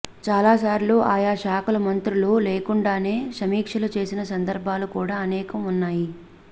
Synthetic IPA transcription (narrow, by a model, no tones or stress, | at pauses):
t͡ʃaːlaːsaːɾiloːʔaːjaːʃaːkulɐmɐnt̪ɾuluːleːkuɳɖaːne̞ːʃɐmiːkʂɐlut͡ʃe̞ːsinɐsɐnd̪ɐɾbʱaːlukuːɽaːɐnɛːkɐmunːaːji